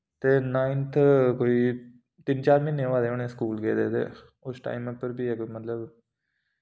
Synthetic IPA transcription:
t̪eːnaːint̪ʰkoːiː | t̪ɪnt͡ʃaːɾmɪnːẽːʋaːleːonẽːskuːlɡeːd̪ḛːd̪ḛː | ʊsʈa̰ːimɛpəɾbiːɛkmət̪ləb

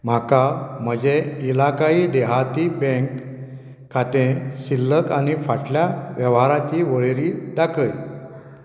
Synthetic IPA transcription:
m̤akam̤əd͡ʑeilakaiːd̪ɛɦat̪ibẽŋk | kʰːat̪ẽɕilːəkanifaʈljaʋjəʋɦaɾat͡ɕiʋəɭeɾiːd̪akʰəj

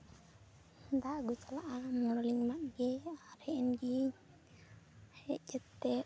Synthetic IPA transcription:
d̪aɡut͡ʃalaʔamɔɽɔliŋmaʔ̪̚ɡɛaɾhɛʔɛnɡi | hɛʔd͡ʒɛt̪ːɛ

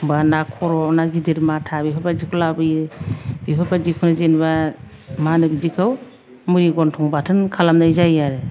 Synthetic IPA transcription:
banakʰɔɾɔnaɡideɾmatʰabipʰabad͡ʒikʰɔlabɯj | bipʰabad͡ʒikʰɔnazenba | manɯbizikʰaw | muɾiɡɔntʰɔŋbatʰɯnkʰalamnajzajaɾe

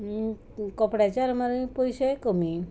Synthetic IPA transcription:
kɔpɽat͡ʃaɾɔmaɾipojsɔkomi

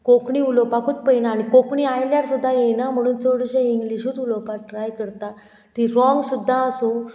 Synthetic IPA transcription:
kokɳiːulopakuːt̪̚pəjnaːɽikokɳiajljaɾsud̪ʱːajenam̤əɽ̃uːnt͡soɽɕẽiŋɡliɕuːt̪ulopaʈɾajkəɾt̪a | t̪iɾɔ̃ŋɡsud̪ʱːaəsũ

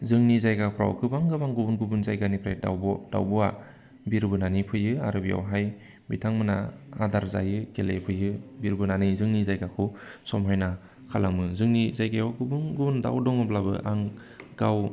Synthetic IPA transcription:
zɯŋnizajɡapʰɾa̰wkɯbaŋɡɯbaŋɡubunɡubunzajɡanipʰɾajda̰wbɔd̥a̰wbɔa | biɾbɯnanipʰɯjɯaɾɯbija̰wɦaj | bitʰaŋmɯnaadaɾza̰jɯkelepʰɯjɯbiɾbɯnanɯjzɯŋnizajɡakʰɯsɔmɦajna | kʰalaŋmɯzɯŋnizajɡajawɡɯbunɡubunda̰wdɔŋɯblabɯ̰ʔaŋ | ɡaw

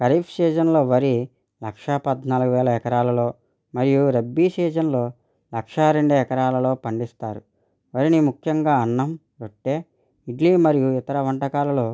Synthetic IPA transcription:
kɐɾiːpʰsiːd͡ʒɐnlo̞ːʋɐɾi | lɐkʂɐpɐd̪naːluɡuʋɛːlɐɛkɐɾaːlɐlo̞ː | mɐɾijuɾebːisiːd͡ʒɐnloː | lɐkʂɐɾeɳɖuɛkɐɾaːlɐlo̞ːpɐɳɖist̪aːɾṵ | ʋɐɾinimukʰjɐŋɡaːɐnːɐm | ʋoʈːe̞ː | iʈliːmɐɾijuit̪ɐɾɐʋɐɳʈɐkaːlɐlo̞ː

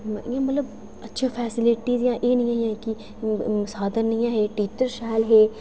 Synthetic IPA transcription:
jãːmət̪ləb | ətːʃʰaːpʰɛːsɪlɪʈiːzjãːʔeːnə̃jãːɦijãːki | ʊsaːd̪əɾnijãːɦeːʈiːt͡ʃəɾʃaːlɦeː

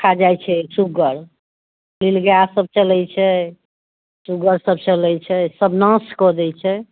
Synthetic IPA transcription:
kʰad͡ʒajt͡ʃʰɛsuɡəɾ | lilɡjasəb̚t͡ʃəlɛjt͡ʃʰɛ | suɡəɾsəb̚t͡ʃəlɛjt͡ʃʰɛsəbnə̃skɔd̪ɛt͡ʃʰɛ

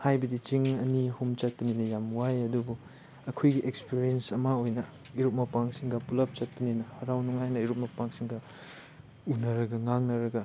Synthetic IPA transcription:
hajbɐdit͡ʃiŋɐnihumt͡ʃɐt̚pɐninɐjamwajɐdubu | ɐkʰojɡiʔekspiɾiensɐmɐojnɐ | iɾup̚mɐpaŋsiŋɡɐpulɐp̚t͡ʃɐt̚pɐninɐhɐɾawnuŋajnɐiɾup̚mɐpaŋsiŋɡɐ | unɐɾɐɡɐŋaŋnɐɾɐɡɐ

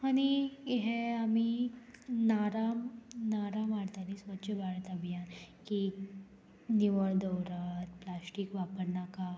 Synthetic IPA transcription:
aɽ̃iɦeami | naɾamnaɾamaɽt̪alisʋətːɕʰəbaɭt̪abʱijanki | niʋəɭd̪əwɾat̪plasʈikʋapəɾnaka

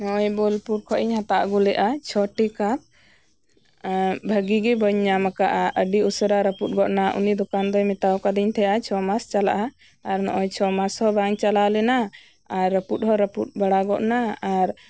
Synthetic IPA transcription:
nɔʔɔjbɔlpuɾkʰɔʔiɲɦat̪aʔɡulɛʔat͡ʃʰɔʈikat̪̚ | bʱəɡiɡɛbəɲːamakaʔaʔəɖiusəɾaɾəput̪̚ɡɔʔnaʔṵnid̪ɔkand̪ɔjmɛt̪awkad̪iɲt̪ʰɛjat͡ʃʰɔmast͡ʃala̰ʔaː | ɾnɔ̰ʔɔjt͡ʃʰɔmashɔbaŋt͡ʃalalɛna | aɾːəput̪̚ɦɔɾəput̪̚baɽaɡɔʔnaaɾ

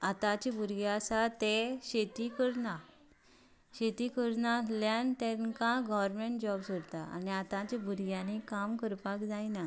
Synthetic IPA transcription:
at̪ãt͡ɕibʱuɾɡjasat̪eɕet̪ikəɾna | ɕet̪ikəɾnaljãnt̪ɛ̃nkãɡɔʋəɾmeɳʈd͡ʑɔbsoɾt̪aa̰niat̪ãt͡ɕibʱuɾɡjãnekamkəɾpakd͡zajna

